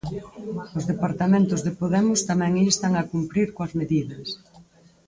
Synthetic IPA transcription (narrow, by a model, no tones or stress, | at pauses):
ʊzðepaɾt̪amẽnt̪ʊzðepoðɛmʊst̪amɛ̃ŋist̪ɐŋakumpɾiɾkoɐzmeðiðɐs